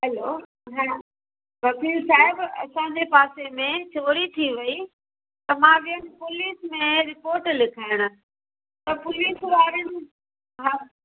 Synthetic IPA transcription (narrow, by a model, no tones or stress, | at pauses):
ɦɐlo | ɦãː | ʋɐkiːlsaːɦɪbɐ̰sãd͡ʑepaːsemẽt͡ɕʰoːɽit̪ʰiʋɐi | t̪ɐmãːʋiənɪ̆pʊliːsmẽɾɪpoːɾʈlɪkʰaːɪɽ̃ʊ̆ | t̪ɐpʊliːsʋaːɾənɪ̆ | ɦãː